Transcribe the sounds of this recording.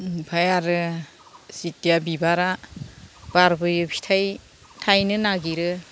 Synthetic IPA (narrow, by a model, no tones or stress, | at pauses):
pʰajaɾɯ | sitijabibaɾa | b̥aɾbɯjɯpʰi̥tʰaj | tʰajnɯnaɡiɾɯ